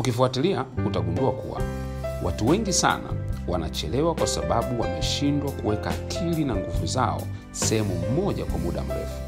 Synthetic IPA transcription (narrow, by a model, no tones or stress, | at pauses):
ukifuatiliakutaɡunduakṵwa̰ | wʔatuwɛŋɡisa̰na̰wanat͡ʃɛlɛwakwasaɓaɓuwamɛʃindwakuwɛkaːkʰilinaŋɡuvuzaɔ̰ | sɛhɛmum̩mɔʄakwamuɗa̰m̩ɾɛ̰fu̥